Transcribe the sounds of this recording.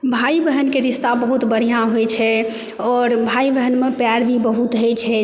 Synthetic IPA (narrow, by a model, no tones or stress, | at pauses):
bʱaibəɦənkeɾist̪abəɦut̪bəɽ̤ijãɦojt͡ʃʰɛ | ɔɾbʱaibəɦənmepjaɾbʱibəɦut̪ɦəjt͡ʃʰɛ